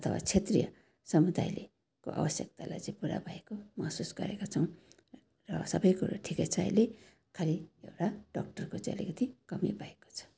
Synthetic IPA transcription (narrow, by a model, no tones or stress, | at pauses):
ʌt̪ʰʌwa̰t͡sʰet̪rijʌ̰ | sʌmud̪a̰jle | ko̰ʔa̰bʌsjʌk̚t̪alajd͡ziipuɾa̰bʱʌekomasusɡʌ̰ɾekat͡sʰʌw̃ | rʌsʌbʌjkuɾaʈʰiket͡sʰʌʌ̰jle | kʰʌɾiewʈaɖ̥ʌk̚ʈʌrkot͡sa̰likʌt̪ʰikʌmibʌeko̥t͡sʰʌ̥